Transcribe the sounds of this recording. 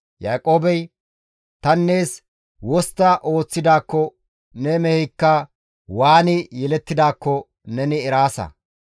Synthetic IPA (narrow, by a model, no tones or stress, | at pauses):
jaːkʼo̞ːbɛj | t̪ɐnːe̞ːs | wɔst̪ːɐʔo̞ːt͡sːɪd̪aːkːɔ | nɛmɛhɛjkːɐ | waːnɪjɛlɛt̪ːɪd̪aːkːɔ | nɛnɪɛɾaːsɐ̰